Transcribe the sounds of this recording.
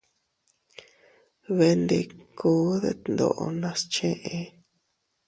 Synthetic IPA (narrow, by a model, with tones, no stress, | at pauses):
βe˧nd̪e˧kʰoː˨˦ðe˦t̪nd̪o̰˨ʔo˧nã˧st͡ʃẽ˦ʔe˧